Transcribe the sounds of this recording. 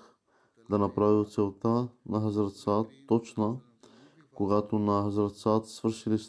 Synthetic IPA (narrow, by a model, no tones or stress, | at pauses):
d̪anapɾavilˠt̪sɛlˠt̪anaɦəzɾat̪sat̪ɔt͡ʃna | koɡat̪onaɦəzɾat̪sat̪svəɾʃilis